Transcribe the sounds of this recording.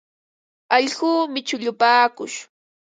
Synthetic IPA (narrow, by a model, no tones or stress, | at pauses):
ɑʎɢuːmɪt͡ʃʊʎʊpaːkʊ̰ʃ